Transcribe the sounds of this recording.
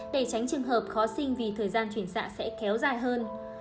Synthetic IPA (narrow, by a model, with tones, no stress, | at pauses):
ɗe˧˩t͡ɕa˨˦jŋ̟t͡ɕɨ˨˩əŋɦəː˨˩p̚xɔ˨˦sï˧ŋ̟vi˨˩t̪ʰəː˨˩jzaː˧nt͡ɕwi˧˩ənsa̰ː˧˥sɛ̰˧˥kɛ˨˦wzaː˨˩jɦəː˧n